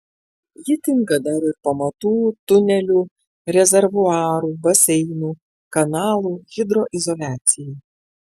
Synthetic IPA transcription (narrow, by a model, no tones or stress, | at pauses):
jɪt̪ʲɪŋkɐd̪ɑɾɪɾpɐmɐt̪uːt̪ʊnʲɛlʲuː | ɾʲɛzʲɛɾʋʊɑːɾuːbɐsʲɛɪnuː | kɐnɑːlˠuːʒʲɪd̪ɾoːʔɪzɔlʲæːt̪sʲɪjɛj